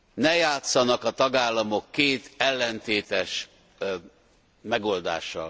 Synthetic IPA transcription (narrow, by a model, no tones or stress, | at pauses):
nɛjaːt̪sɒnɒkɒt̪ɒɡaːlːɒmo̞kːeːt̪ɛlːɛnt̪eːt̪ɛʃ | mɛɡo̞ld̪a̰ːʃːɒ̰l